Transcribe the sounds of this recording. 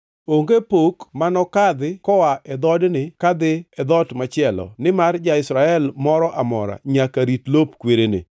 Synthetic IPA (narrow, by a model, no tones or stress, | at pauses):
oŋɡepokmanɔkad̪ɪkɔwaʔɛd̪ɔdnɪkad̪ɪɛd̪ɔtmat͡ʃɪɛlɔ̰nɪmard͡ʒaɪsɾaɛlmɔɾɔʔamɔ̰ɾa̰ɲakaɾitlopkweɾenḛ